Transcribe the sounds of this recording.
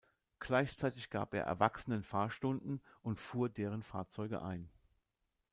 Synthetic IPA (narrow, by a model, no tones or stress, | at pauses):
ɡ̥laɪçt͡saɪtɪçɡ̥a̰ːpʔḛːɐʔɛ̰ɐvaksənənfaːɐʃtʊndn̩ʔʊntfuːɐdeːʁ̞ənfaːɐt͡sɔʏɡə̰ʔa̰ɪn